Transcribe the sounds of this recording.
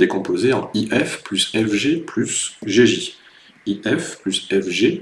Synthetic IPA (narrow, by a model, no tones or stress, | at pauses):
d̪ekɔ̃pozeɑ̰̃iʔɛfplysɛfʒeplysʒeʒi | iʔɛfplysɛfʒe